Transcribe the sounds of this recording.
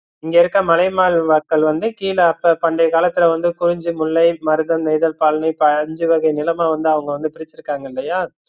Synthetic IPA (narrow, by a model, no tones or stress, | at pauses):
ɪŋɡeːɪɾɯkːɐmɐlɐɪmaːɭʋɐkːɐɭʋɐnd̪ɯkiːlɐɐpːɐpɐɳɖɐɪkaːlɐt̪ːɪlɐʋɐnd̪ɯkʊɾɪɲd͡ʒɯmʊɭːɐɪmɐɾɯðɐmnɛɪðɐlpaːlɐnɐɪpɐɲd͡ʒɯʋɐɣɐɪnɪlɐmaːʋɐnd̪ɯɐʋɐŋɡɐʋɐnd̪ɯpɪɾɪt͡ʃːɪɾɯkːaːŋɡɐɪlːɐjaː